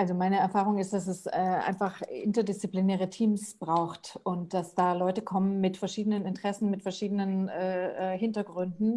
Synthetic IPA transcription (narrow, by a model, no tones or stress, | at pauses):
ʔalzomaɪnəɛɐfaːʁ̞ʊŋɪst̚d̥as̬ɛsɛːʔa̰ɪnfaχʔɪ̰ntɐdɪst͡siplinɛːʁ̞ətʰiːmsb̥ʁaʊxtʊnt̚d̥asd̥aːlɔʏtəkʰɔmənmɪtfɛɐʃiːdənənɪntʁ̥ɛsn̩mɪtfɛɐʃiːdənənʔɛːɛːhɪntɐɡʁʏndn̩